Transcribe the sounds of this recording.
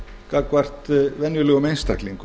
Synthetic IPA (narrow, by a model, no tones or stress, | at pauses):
kakvar̥t̪vɛnjʏlɛɣʏmejnst̪a̰kliŋk